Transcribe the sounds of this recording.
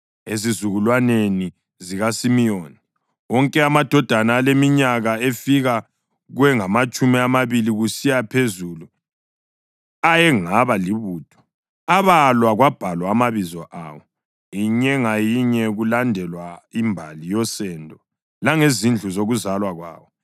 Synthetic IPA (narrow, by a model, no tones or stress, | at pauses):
ezizuɣulwaneni | ziɣasimijoːni | ɔŋkʼɛamad̥ʱɔd̥ʱanaːlemiɲaɣaefiɣa | ɣuwɛŋamat͡ʃʼumiamaβiliɣusijapʰezulu | ajɛŋaβaliβuːtʰʼɔ̥ | aβalwaɣwab̥ʱalwaːmaβizɔʔa̰wɔ | iɲɛŋajiɲɛɣulandʱɛlwaimbʱalijɔsɛndʱɔ | laŋezind͡ɮʱuzoɣuzalwaɣwa̰ːwɔ